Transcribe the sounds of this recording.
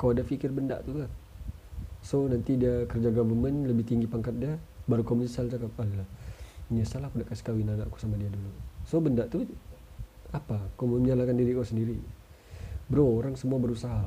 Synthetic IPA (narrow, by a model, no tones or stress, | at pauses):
kaadafikɪrbənda̰ʔt̪uka | sonant̪idiakərd͡ʒaɡavərmənləbɪht̪iŋɡipaŋkat̪̚diabaɾukomunəsald͡ʒakapadalamɲasalahkudaʔkasi̥kawinanaʔku̥samadiadulusobəndaʔt̪u | apakomumɲalakandiɾikasəndiɾi | bəɾoːɾaŋsəmuabəɾusaɦa